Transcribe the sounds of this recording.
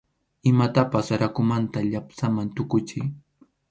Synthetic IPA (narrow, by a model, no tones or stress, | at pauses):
ɪmat̪apasaɾakʊmant̪aʎapsamant̪ʊkʊt͡ʃɪj